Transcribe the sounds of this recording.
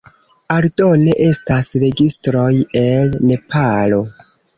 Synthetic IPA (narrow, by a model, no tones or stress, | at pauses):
aɾdo̞ne̞ʔe̞stasɾe̞ɡistɾo̞je̞lne̞pʰalo̞